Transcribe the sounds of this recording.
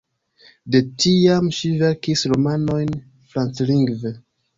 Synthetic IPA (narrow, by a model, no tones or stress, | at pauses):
de̞tiamʃiveɾkisɾomano̞jn | fɾansliŋɡve